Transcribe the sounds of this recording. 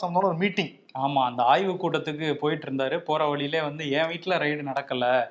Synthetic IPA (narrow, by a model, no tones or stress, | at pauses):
sɐmɐd̪oːnɐɔɾɯmiːʈːɪŋ | aːmaːɐnd̪ɐaːjʋɯkːuːʈːɐt̪ːɯkːɯpoːjɪʈːɪɾɯnd̪aːɾɯpoːɾɐʋɐɭɪjɪleːʋɐnd̪ɯẽːʋiːʈːɪlɐɾɐɪɽɯnɐɽɐkːɐlːɐ